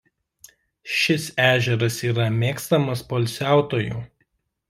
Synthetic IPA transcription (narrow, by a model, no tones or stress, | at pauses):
ʃʲɪsæːʒʲɛɾɐsiːɾɐmʲeːkst̪ɐmɐspoːlʲsʲæˑʊt̪oːjuː